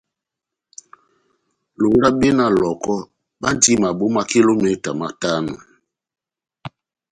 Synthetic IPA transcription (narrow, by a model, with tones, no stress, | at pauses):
lo˨˦ɾa˦ɓe˦na˨lɔ˨kɔ˦ | ɓa˦ndi˦ma˨ɓo˦ma˦ki˦lo˦me˦ta˨ma˦ta˦nṵ˨